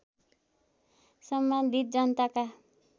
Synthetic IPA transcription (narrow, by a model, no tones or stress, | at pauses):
sʌmband̪ʱit̪̚d͡zʌnt̪aka